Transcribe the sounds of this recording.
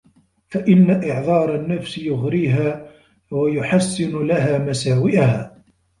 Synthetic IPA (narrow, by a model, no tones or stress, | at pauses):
faʔɪnːaʔɪʕðˤɑːɾˤɑnːafsɪjʊɣɾiːɦaː | wajʊħasːɪnʊlaɦaːmasaːwɪʔahaː